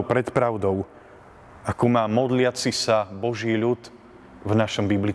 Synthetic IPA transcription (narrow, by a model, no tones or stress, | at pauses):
pɾɛt̪pɾaʊd̪ɔʊ | akumaːmɔd̪lɪat͡sisabɔʒiːʎut̪ | vnaʃɔmbibli